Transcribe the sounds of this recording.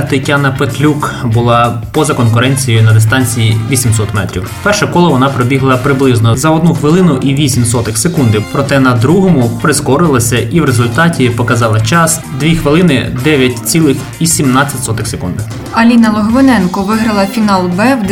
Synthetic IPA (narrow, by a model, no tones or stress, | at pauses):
t̪ɐtʲɑnɐpet̪lʲukbʊlˠɑ | pɔzɐkɔnkʊɾɛnʲt͡sʲijʊnɐd̪est̪ɑnʲt͡sʲijiʋʲisʲimsɔt̪mɛt̪ɾʲḭwpɛrʃɛkɔlˠɔʋɔnɑpɾɔbʲiɦlˠɐpɾɪblˠɪznɔzɐɔd̪̚nuxʋɪlˠɪnʊʔiʋʲisʲimsɔt̪ɪxsekund̪ɪwpɾɔt̪ɛnɐd̪ɾuɦɔmʊpɾɪskɔɾɪlˠɐsʲɐʔiʋɾezʊlʲt̪ɑtʲipɔkɐzɑlˠɐt͡ʃɑs | d̪ʋʲixʋɪlˠɪnɪ̰d̪ɛʋʲjɐt̚ʲt͡sʲilˠɪx | isʲimnɑt͡sʲːɐtʲsɔt̪ɪxsekund̪ɪ | ɐlʲinɐlˠɔɦmɪnɛnkɔʋɪɦɾɐlˠɐfʲinɑlˠbɛwd̪